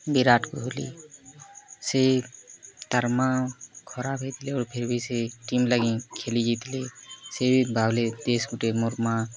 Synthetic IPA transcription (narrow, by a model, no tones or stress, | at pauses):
biɾaʈkoɦolḭ | se | t̪əɾmakʰɔɾabʱet̪leɔːɾpʰeɾbʱiseʈimləɡĩkʰelid͡ʒit̪lesebʱibʱabled̪esɡuʈemoɾma